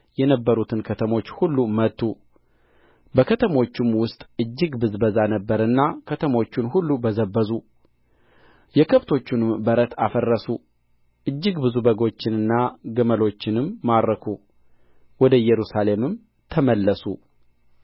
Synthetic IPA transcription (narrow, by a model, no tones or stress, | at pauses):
jɛnəbːəɾut̪ʰɨnkʰət̪ʰəmo̞t͡ʃːhulːumət̪ʰːu | bəkʰət̪ʰəmo̞t͡ʃːɪmwʊst̪ʼɨd͡ʒːɪɡbɨzbəzanəbːəɾɨnːakʰət̪ʰəmo̞t͡ʃːɪnhulːubəzəbːəzu | jɛkʰəβt̪ʰo̞t͡ʃːɪnɨmbəɾət̪ʰa̰fərːəsu | ʔɨd͡ʒːɪɡbɨzubəɡo̞t͡ʃːɪnɨnːaɡəməlo̞t͡ʃːɪnɨmːaɾɾəkʰu | wɔd̪əjɛɾusale̞mɨm | t̪ʰəməlːəsu